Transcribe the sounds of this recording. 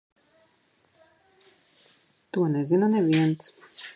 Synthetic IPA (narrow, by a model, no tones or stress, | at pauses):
t̪uɔnɛzinanɛvʲiɛnt̪s